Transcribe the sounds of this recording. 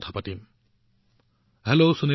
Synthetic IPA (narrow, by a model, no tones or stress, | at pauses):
t̪ʰapatim | hɛlosuni